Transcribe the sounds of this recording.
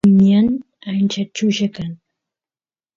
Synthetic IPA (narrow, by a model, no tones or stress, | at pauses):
mian | ant͡ʃat͡ʃʊʃakaŋ